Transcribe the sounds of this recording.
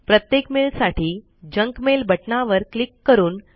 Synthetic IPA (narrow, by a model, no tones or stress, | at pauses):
pɾət̪jekmelsaʈiː | d͡ʑəŋkmelbʱəʈnaʋəɾklikːəɾuːn